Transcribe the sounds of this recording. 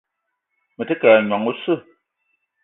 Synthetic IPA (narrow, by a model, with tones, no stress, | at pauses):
mə˨tɨ˦kɛː˨ɲ˨a˨ŋu˦sɨ˦˨